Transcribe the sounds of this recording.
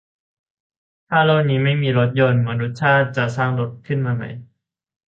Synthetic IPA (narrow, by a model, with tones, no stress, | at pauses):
t̪ʰaː˥˩la˥˩niː˦˥ma˥˩jmiː˧ɾo˦˥t̪̚jo˧nmɯ˩˦ənɾu˦˥t̪̚t͡ɕʰaː˥˩t̪̚t͡ɕa˨˩saː˥˩ŋdo˨˦˥t̪̚kʰɯ˥˩nmaː˧ma̰˦˥j